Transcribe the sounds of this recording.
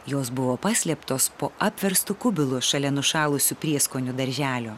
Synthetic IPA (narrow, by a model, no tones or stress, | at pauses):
joːs̬bʊʋoːpɑːsʲlʲɛpt̪oːspoːʔɑːpʲʋʲɛɾst̪ʊkʊbʲɪlˠuʃɐlʲɛnʊʃɑːlˠʊsʲʊːpʲɾʲiɛskoːnʲʊd̪ɐɾʲʒʲæːlʲoː